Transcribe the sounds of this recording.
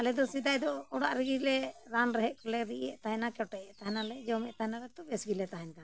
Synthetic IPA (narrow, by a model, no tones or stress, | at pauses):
alɛd̪ɔsid̪ajd̪ɔɔɽaʔɾiɡilɛɾanɾɛɦɛʔkɔlɛɾiʔɛ̰ʔt̪aɦɛnakɛʈɛɛʔt̪aɦɛnalɛd͡ʒɔmɛʔt̪aɦɛnalɛt̪ɔbesbilɛt̪aɦaɲk̪a